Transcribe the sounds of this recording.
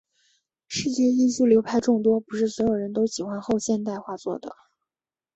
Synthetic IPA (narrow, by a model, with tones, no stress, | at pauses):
ʂɻ̩˥˧t͡ɕjɛ˥˧i˥˧t͡ɕju˥˩ljo˧˥ʊpʰa˥˧ɪʈ͡ʂʊ˥˩ŋt̪wɔ˥pu˧˥ʂɻ̩˥˩swɔ˧˥jo˨˩ʊɻə˧˥nt̪̬o˥ʊɕi˨˩xwa˥nxo˥˧ʊɕjɛ˥˧nt̪a˥˧ɪxwa˥˧t͡swɔ̰˥˩d̪ə̰˩